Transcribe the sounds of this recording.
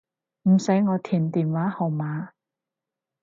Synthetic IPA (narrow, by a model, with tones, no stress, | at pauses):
m̩˨˩sɐ˨˥jŋɔː˨˧t̪ʰiː˨˩nt̪iː˨˩nwaː˨˥hɐ˨˩wmaː˨˧˥